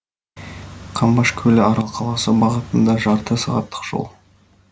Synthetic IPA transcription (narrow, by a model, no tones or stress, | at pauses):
qʰɑmbɑʃkʲʰɵlɪɑɾɑlˠqʰɑlˠɑsəbɑʁət̪ənd̪ɑʒɑɾt̪əsɑʁɑ̰t̪ːə̥qʒ̥o̞̰lˠ